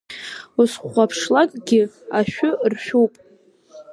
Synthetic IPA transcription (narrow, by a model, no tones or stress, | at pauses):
usχʷapʰʂlakʼɡʲɪaʃᶣʊrʃᶣuwpʼ